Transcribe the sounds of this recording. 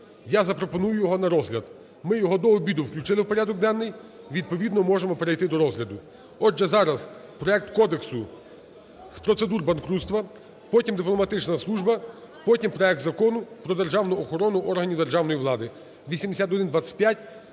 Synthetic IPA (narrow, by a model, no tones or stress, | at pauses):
jazɐpɾɔpɔnujʊjɔɦɔnɐɾɔzlʲɐd̪ | mɪjɔɦɔd̪ɔːbʲid̪ʊwklʲʊt͡ʃɪlˠɪwpɔɾʲad̪ɔk̚d̪ɛnːɪj | ʋʲid̪̚pɔʋʲid̪nɔmɔʒemɔpeɾejt̪ɪd̪ɔɾɔzɦlʲɐd̪ʊ | ɔd͡ʒːɛzɑɾɐzpɾɔɛk̚t̪kɔd̪eksʊ | spɾɔt̪se̞d̪urbɐnkɾut̪st̪ʋɐ | pɔtʲimd̪ɪplˠɔmɐt̪ɪt͡ʃnɐslˠuʒbɐ | pɔtʲimpɾɔɛkt̪zɐkɔnʊpɾɔd̪erʒɑwnʊɔxɔɾɔnʊʔɔrɦɐnʲiwd̪e̞rʒɑwnɔjiʋlˠɑd̪ɪ | ʋʲisʲimd̪esʲat̪ɔd̪ɪnd̪ʋat͡sʲːɐ̥t̚ʲpʲjatʲ